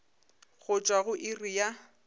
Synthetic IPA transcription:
ɣʊt͡ʃʼwaɣʊʔɪrija

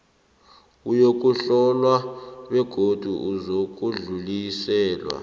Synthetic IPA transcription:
ujok̬ʼuɬɔlwaɓɛɡ̥ʱod̥ʱuʔuzok̬ʼuɮulisɛːlwa̰

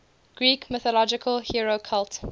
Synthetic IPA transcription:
ɡ̥ɹiːkmɪθɔlɔd͡ʒɪkʰəlhiɹokʰalˠt

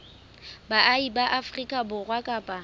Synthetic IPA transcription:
baʔaibaʔafrikʼabʊɣwakʼaːpʼa

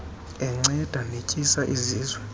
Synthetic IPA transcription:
ɛŋ͡ǀɛd̥ʱanecʼisaʔiziːzwɛ

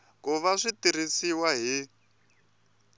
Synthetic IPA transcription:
kuβaʂitiɾ̤isiwaɦi

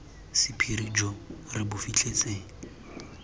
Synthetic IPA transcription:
sɪpʰiɾid͡ʒɔrɪbʊfit͡ɬʰʼet͡sʼeːŋ̩

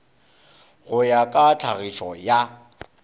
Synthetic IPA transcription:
ɣʊjakʼat͡ɬʰaɣiʃɔja

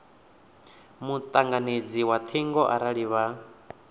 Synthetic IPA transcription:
mut̪ʼaŋɡaned͡ziwat̪ʰiŋɡɔʔaɾaɺiβa

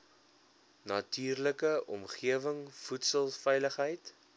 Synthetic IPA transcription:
nɐtyːrləkəʔɔmχiəvəŋfutsəlˠfɛjləχɦəjt

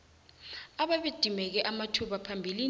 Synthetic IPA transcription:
aɓaɓed̥ʱimɛk̬ɛʔamatʰuɓapʰambʱili

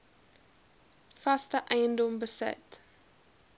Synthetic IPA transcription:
fɐstəʔɛjəndɔmbəsɪ̰t

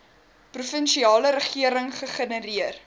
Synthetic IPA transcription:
prufənʃiɑːləɾəχiəɾəŋχəχənəɾiər

